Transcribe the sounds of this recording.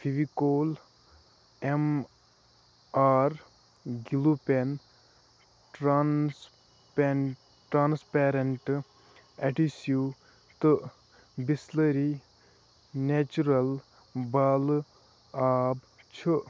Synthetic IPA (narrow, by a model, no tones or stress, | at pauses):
fʰiʋikoːl | em | aːɾ | ɡilupen | ʈɾans | pe | ʈɾaːnspeːɾeɳʈ | ɛʈisjuː | t̪ɨ | bisləɾi | net͡ʃuɾɐl | baːl | aːb | t͡ʃʰɨ